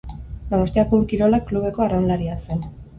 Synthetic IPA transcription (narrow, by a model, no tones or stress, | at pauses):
d̪onost̪iakoɾkiɾo̞lakːluβ̞e̞ko̞aɾanlaɾiasen